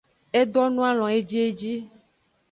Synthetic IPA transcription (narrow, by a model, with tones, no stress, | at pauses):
e˦d̪ɔ˦nũ˦a˦l̃ɔ̃˨e˦d͡ʒi˦e˦d͡ʑi˦